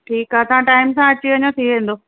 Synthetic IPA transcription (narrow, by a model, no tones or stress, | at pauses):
ʈʰiːkɦaːɐsãʈaːɪmsãɐt͡ɕiʋɐɲõt̪ʰiʋẽn̆d̪oː